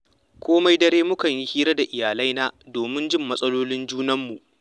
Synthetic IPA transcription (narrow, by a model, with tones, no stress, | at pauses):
kʰʷoː˦ma˦jdɐ˦ɾeː˦mʊ˦kɐ˨ɲji˦hiː˦ɾɐ˦da˨ʔɪ˨jaː˨la˦jnaː˦doː˨mɪ˦nd͡ʒɪ˦˨mːɐ˦sʼɐ˦loː˦lɪ˦nd͡ʒuː˦nɐ˦mːu˨ʔ